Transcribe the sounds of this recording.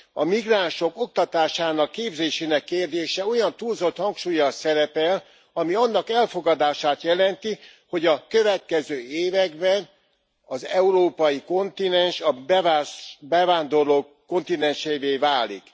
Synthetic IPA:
ɒmiɡraːnʃo̞ko̞k̚t̪ɒt̪aːʃaːnɒkːeːbzeːʃeːnɛkːeːrd̪eːʃɛo̞jɒnt̪uːlzo̞t̪hɒŋkʃuːjɒsɛɾɛpɛl | ɒmiɒnːɒkɛlfo̞ɡɒd̪aːʃaːt̪jɛlɛnt̪i | ho̞ɟɒkø̞vɛt̪̚kɛzøːeːvɛɡbɛn | ɒzɛuɾoːpɒjiko̞nt̪inɛnʃɒbɛvabɛvaːnd̪o̞rloːkːo̞nt̪inɛnʃeveːvaːlḭk

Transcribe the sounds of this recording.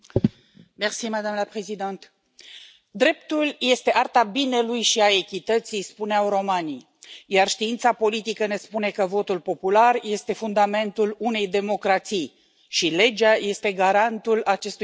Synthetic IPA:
mersiməd̪amnəpɾezid̪ant̪ | d̪ɾe̞p̚t̪ulje̞st̪e̞ʔart̪abine̞lujʃiae̞kʲit̪ət̪sijspuneawɾo̞mani | jarʃt̪iint̪sapo̞lit̪ikəne̞spune̞kəvo̞t̪ulpo̞pularje̞st̪e̞fund̪ame̞nt̪ulune̞jd̪e̞mo̞kɾat̪sij | ʃile̞d͡ʒaje̞st̪e̞ɡaɾant̪ulat͡ʃe̞st̪u

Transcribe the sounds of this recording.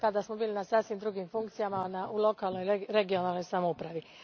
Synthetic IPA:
kad̪asmo̞biːlinasasʋimd̪ɾuːɡimfuŋkt̪sijamanaʔulˠo̞kaːlˠno̞jɾeɡio̞naːlno̞jsamoupɾaʋi

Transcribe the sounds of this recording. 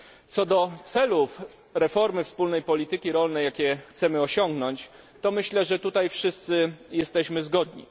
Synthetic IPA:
t̪sɔd̪ɔt̪sɛluf | ɾɛfɔɾmɘfspulnɛjpɔlʲit̪ɘkʲiɾɔlnɛjakʲɛxt̪sɛmɘɔɕɔŋɡnɔɲt͡ɕ | t̪ɔmɘɕlɛʐɛt̪ut̪ajfʂɘst̪sɘjɛst̪ɛɕmɘzɡɔd̪ɲḭ

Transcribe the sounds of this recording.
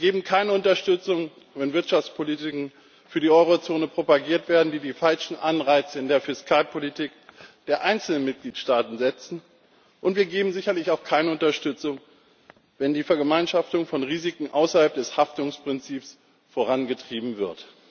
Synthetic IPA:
ɡeːbm̩kʰaɪnəʊntɐʃtʏt͡sʊŋ | vɛnvɪɐtʃaft͡spʰoliːtɪkŋ̩ | fyːɐdiːʔɔʏʁ̞ot͡soːnəpʁ̥opaɡiːɐtv̥eːɐdn̩diːdiːfalʃn̩ʔanʁaɪt͡səɪndeːɐfɪskʰaːlpʰolitʰiːkd̥eːɐʔaɪnt͡sl̩nənmɪt̚ɡ̥liːtʃtaːtn̩zɛt͡sn̩ | ʔʊntv̥iːɐɡeːbm̩zɪçɐlɪçaʊxkʰaɪnəʊntɐʃtʏt͡sʊŋ | vɛndiːfɛɐɡəmaɪnʃaftʊŋfɔnʁiːzikŋ̩ʔaʊsɐhalp̚d̥ɛshaftʊŋspʁ̥ɪnt͡siːps | foːʁanɡətʁ̥iːbm̩vɪɐt

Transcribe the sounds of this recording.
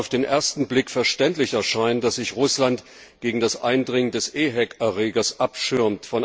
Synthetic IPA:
ʊfd̥eːnʔḛːɐstn̩blɪkfɛɐʃtɛntlɪçɛɐʃaɪnd̥asz̥ɪçʁʊslant | ɡ̥eːɡŋ̩dasʔa̰ɪndʁɪŋəndɛsʔeːɦɛkɛɐʁeːɡɐsʔapʃʏɐmtfɔn

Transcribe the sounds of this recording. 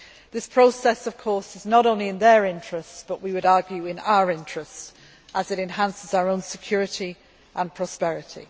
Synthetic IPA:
ðɪspʰɹ̥oʊsɛsəv̥kʰɔˑɹsɪznəɾõʊ̃nliɪ̃nðəɹɪ̃nt͡ʃɹ̥əstsb̥ʌʔwiwəɾɑːɡjʉɪ̃na̰ʊəɹɪ̃nt͡ʃɹ̥əst | ʔəzɪɾɛ̃nɦãnsɪzaʊəɹõʊ̃nsɪkʰj̥ɔːɹɪti | ʔə̃npʰɹ̥ɒspɛɹɪtʰḭ

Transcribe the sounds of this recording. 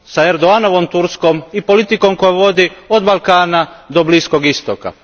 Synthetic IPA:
saeɾd̪oano̞ʋo̞mt̪uɾsko̞mipo̞lit̪iko̞mko̞jaʋo̞d̪iod̪balˠkaːnad̪o̞blisko̞ɡist̪oka̰

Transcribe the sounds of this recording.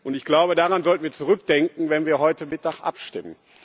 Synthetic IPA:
ʔʊntɪçɡ̥laʊbədaːʁanzɔltn̩viːɐt͡suʁʏkd̥ɛŋkŋ̩vɛnviːɐɦɔʏtəmɪt̚d̥aχʔa̰pʃtɪmən

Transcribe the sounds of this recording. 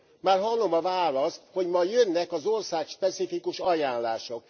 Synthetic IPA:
maːrɦɒlːo̞mɒvaːlɒsho̞ɟmɒjønːɛkɒzorsaːkʃpɛsifikuʃɒjaːnlaːʃo̞k

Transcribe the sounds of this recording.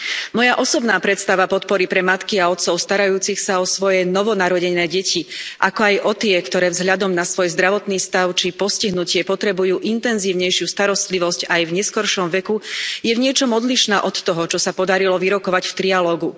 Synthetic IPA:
mɔjaʔɔsɔbnaːpɾɛt̪st̪aʋapɔt̪̚pɔɾipɾɛmat̪kiaɔt̪sɔʊst̪aɾajuːt͡sixsaɔsʋɔjɛnɔʋɔnaɾɔɟɛnɛːɟɛciʔakɔajʔɔt̪ɪɛkt̪ɔɾɛːvzɦʎad̪ɔmnasʋɔjzd̪ɾaʋɔt̪niːst̪aʊt͡ʃipɔsciɦnucɪɛpɔt̪ɾɛbujuːʔint̪ɛnziːʊɲɛjʃɪust̪aɾɔst̪liʋɔscajvɲɛskɔɾʃɔmʋɛkujɛvɲɪɛt͡ʃɔmɔd̪liʃnaːʔɔt̪ːɔɦɔt͡ʃɔsapɔd̪aɾilɔʋiɾɔkɔʋacft̪ɾialɔːɡu

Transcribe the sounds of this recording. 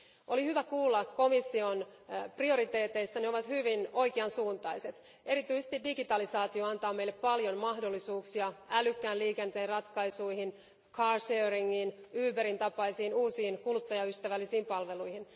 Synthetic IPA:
olihyʋækuːlːɑkko̞misːio̞nprio̞ɾit̪eːt̪e̞ist̪ɑneoʋɑt̪hyʋino̞jkeɑnsuːnt̪ɑjse̞t̪ | e̞ɾit̪yisest̪idiɡit̪ɑlisɑːt̪ioɑnt̪ɑːmejlːeppɑljonmɑhdo̞lːisuːksiɑælykːæːnliːkent̪eːrrɑt̪kɑjsuihin | kʰɑːrseːriŋːinyːpæɾint̪ɑpɑisiːnuːsiːnkulut̪ːɑjɑyst̪æʋælːisiːmpɑlʋe̞lujhin

